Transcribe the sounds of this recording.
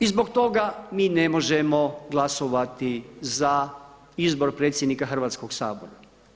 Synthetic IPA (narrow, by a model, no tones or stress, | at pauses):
izbo̞kt̪o̞ɡamiːnemoʒemoɡlˠasoʋat̪iza | izbo̞ɾpɾeːt̪sjed̪nikaxr̩ʋaːt̪skoɡsaːboɾa